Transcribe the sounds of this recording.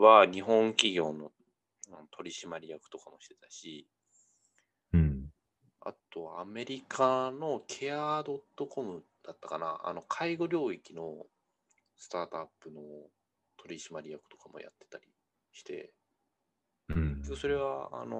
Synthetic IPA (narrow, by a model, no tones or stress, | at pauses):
βaɲ̟iɦõ̞ŋkʲiɡʲo̞ːno̞ | anot̪ʰo̞ɾʲiɕimaɾʲijakɯ̟̥t̪o̞kamo̞ɕi̥t̪e̞t̪aɕi | a̰t̪o̞βaːme̞ɾʲikʰano̞kʲʰe̞ad̪o̞t̪ːo̞ko̞mɯ̟ | d̪̥at̪ːakana̰a̰no̞kʰaiɡo̞ɾʲo̞ːikʲino̞ | sɨ̥t̪aːt̪oapːɯ̟no̞ | t̪ʰo̞ɾʲiɕimaɾʲijakɯ̟̥t̪o̞̥kamo̞̰ja̰t̪ːe̞̥t̪aɾʲi | ɕi̥t̪e̞̰ | ekʲːokɯ̟so̞ɾe̞βaa̰no